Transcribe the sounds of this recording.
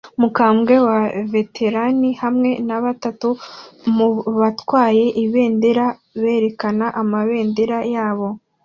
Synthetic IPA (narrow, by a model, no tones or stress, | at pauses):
mukaːmɡe̞wave̞tʰe̞ɾanihamŋe̞naβatatumuβatwaːje̞ʔiβe̞ːndeɾaβe̞ːɾe̞kanaʔamaβe̞ːndeɾajaːβo̞